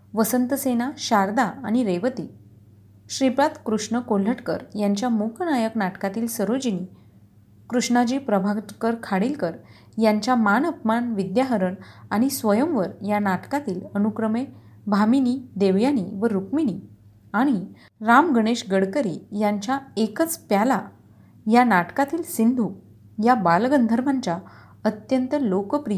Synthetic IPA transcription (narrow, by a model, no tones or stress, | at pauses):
ʋəsənt̪əsenaɕaɾd̪aːɽ̃iɾeʋət̪iː | ɕɾipɾat̪kɾuʂɳəkol̤əʈkə̰ɾjaɲt͡ɕjamukʰnajəknaʈkat̪iːlsəɾod͡ʑiniː | kɾuʂɳad͡ʑiːpɾəbʱakəɾkʰaɽiːlkəɾ | jaɲt͡ɕjamanəpmanʋid̪jaɦəɾəɳaɽ̃isʋəjəmʋəɾjanaʈkat̪iːlənukɾəme | bʱaminiːd̪eʋjaniʋəɾukminiː | aɽ̃i | ɾamɡəɽ̃eɕɡəɽkəɾḭjaɲt͡ɕaekət͡spjala | janaʈkat̪iːlsind̪ʱu | jabalɡənd̪ʱəɾmaɲt͡ɕja | ət̪jənt̪əlokpɾij